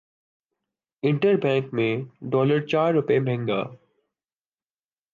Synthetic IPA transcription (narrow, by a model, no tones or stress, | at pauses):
ɪ̃ɳʈəɾbɛ̃ːŋkmẽɖɔːləɾt͡ɕaːɾːʊpemʱɛ̃ŋɡa̰ː